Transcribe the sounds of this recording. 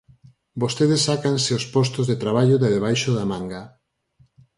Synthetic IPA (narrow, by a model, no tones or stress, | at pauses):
bost̪eðesːakanseospɔst̪ozðet̪ɾaβ̞aʎoðeðeβ̞ajʃoðamãŋɡa